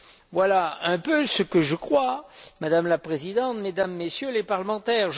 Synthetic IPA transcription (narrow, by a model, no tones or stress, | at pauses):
vwalaɛ̃pøsəkəʒəkχwamad̪amlapχezid̪ɑ̃t̪med̪amːesjølepaʁləmɑ̃t̪ɛʁʒ